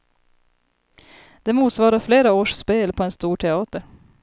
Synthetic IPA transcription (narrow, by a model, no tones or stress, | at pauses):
d̪̥ɛmuːt̪svɑːɾaɾfleːɾaoːʂspeːlpʰɔɛnst̪uːʈʰɛɑːt̪əɾ